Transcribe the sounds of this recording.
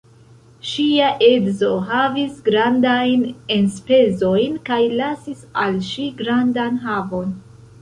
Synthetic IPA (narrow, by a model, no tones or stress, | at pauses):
ʃiaʔe̞dzo̞ɦavisɡɾandajne̞nspe̞zo̞jnkajlasisalʃiɡɾandanɦavo̞n